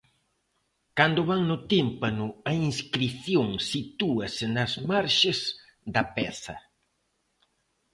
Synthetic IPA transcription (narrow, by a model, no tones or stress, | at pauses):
kand̪ʊβaŋnʊt̪impɐnʊɐiŋskɾiθjoŋsit̪uɐsɪnɐzmaɾʃez | d̪ɐpɛθɐ